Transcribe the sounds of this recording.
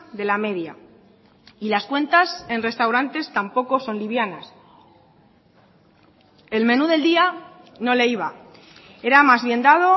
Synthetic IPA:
ðe̞lame̞ðja̰ | ilaskwe̞nt̪ase̞nre̞st̪awɾant̪e̞st̪ampo̞ko̞so̞nliβjanas | e̞lmẽ̞nuðe̞ld̪ia | no̞le̞iβa | e̞ɾamazβje̞nd̪að̞o̞

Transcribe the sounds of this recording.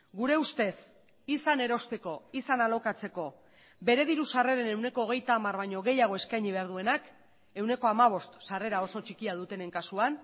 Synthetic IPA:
ɡuɾe̞ust̪e̞s | isane̞ɾo̞st̪e̞ko̞isanalo̞kat͡se̞ko̞ | be̞ɾe̞ðiɾusare̞ɾe̞ne̞wne̞ko̞ːɣ̞e̞jt̪aːmarβajɲo̞ɣ̞e̞jaɣ̞o̞e̞skajɲiβ̞e̞aɾð̞ue̞nak | e̞wne̞ko̞amaβ̞o̞st̪sare̞ɾao̞so̞t͡ʃikiaðut̪e̞ne̞ŋkasuan

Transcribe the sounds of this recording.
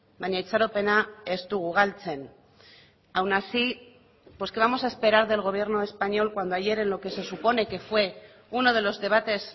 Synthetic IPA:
baɲait͡saɾope̞naest̪uɣuɣ̞alt͡se̞n | awnasi | pwo̞ske̞β̞amo̞sae̞spe̞ɾaɾðe̞lɣ̞o̞βje̞ɾno̞e̞spaɲo̞lkwand̪oaʝe̞ɾe̞nlo̞ke̞se̞supo̞ne̞ke̞fwe̞ | uno̞ð̞e̞lo̞zðe̞β̞at̪e̞s

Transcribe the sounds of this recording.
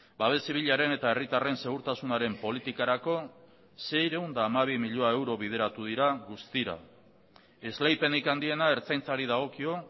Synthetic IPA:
baβ̞e̞siβ̞iʎaɾe̞ne̞t̪ae̞rit̪are̞nse̞ɣ̞uɾt̪asunaɾe̞mpo̞lit̪ikaɾako̞ | se̞jɾe̞und̪aːmaβ̞imiʎoae̞wɾo̞β̞ið̞e̞ɾat̪uð̞iɾaɣust̪iɾa̰ | e̞zlajpe̞nikand̪ie̞nae̞ɾt͡sajnt͡saɾiðaɣ̞o̞kio̞

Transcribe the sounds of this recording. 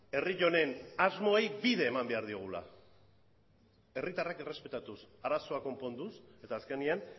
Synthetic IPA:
e̞riʎo̞ne̞nazmo̞ejbiðe̞ːmambe̞aɾðioɣ̞ula̰ | e̞rit̪arakere̞spe̞t̪at̪us | aɾaso̞ako̞mpo̞nd̪use̞t̪aːske̞nian

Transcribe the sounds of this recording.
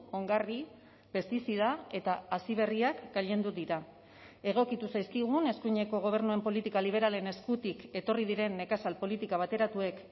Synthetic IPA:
o̞ŋɡari | pe̞st̪isið̞ae̞t̪aːsiβ̞e̞riakɡaʎe̞nd̪ud̪iɾa | e̞ɣ̞o̞kit̪usajskiɣ̞une̞skuɲe̞ko̞ɣ̞o̞β̞e̞ɾnue̞mpo̞lit̪ikaliβ̞e̞ɾale̞ne̞skut̪ike̞t̪o̞rið̞iɾe̞nːe̞kasalpo̞lit̪ikaβ̞at̪e̞ɾat̪ue̞k

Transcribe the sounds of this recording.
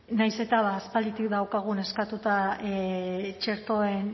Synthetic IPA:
najse̞t̪aβaːspald̪it̪ikd̪awkaɣ̞une̞skat̪ut̪a | t͡ʃe̞ɾt̪o̞e̞n

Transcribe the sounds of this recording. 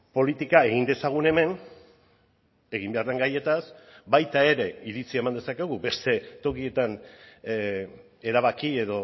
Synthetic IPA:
po̞lit̪ikae̞ɣ̞ind̪e̞saɣ̞une̞me̞n | e̞ɣ̞imbe̞aɾðe̞ŋɡaje̞t̪asbajt̪ae̞ɾe̞iɾit͡siaemand̪e̞sake̞ɣ̞ube̞st̪e̞t̪o̞kie̞t̪an | e̞ɾaβ̞akie̞ðo̞

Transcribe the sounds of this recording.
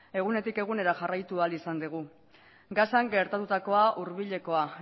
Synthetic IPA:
e̞ɣ̞une̞t̪ike̞ɣ̞une̞ɾaʝarajt̪ualisand̪iɣ̞u | ɡasaŋɡe̞ɾt̪at̪ut̪ako̞aʔuɾβiʎe̞ko̞a

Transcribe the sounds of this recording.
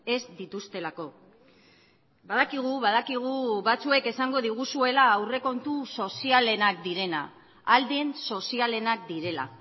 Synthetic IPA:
e̞zd̪it̪ust̪e̞lako̞ | baðakiɣ̞uβaðakiɣ̞uβat͡sue̞ke̞saŋɡo̞ð̞iɣ̞usue̞laːwre̞ko̞nt̪uso̞siale̞nakd̪iɾe̞na̰ː | ld̪enso̞siale̞nakd̪iɾe̞la̰

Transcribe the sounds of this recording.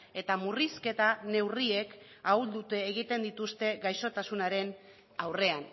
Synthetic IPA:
e̞t̪amuriske̞t̪ane̞wriek | auld̪ut̪e̞ːɣ̞it̪e̞nd̪it̪ust̪e̞ɡajso̞t̪asunaɾe̞n | awre̞an

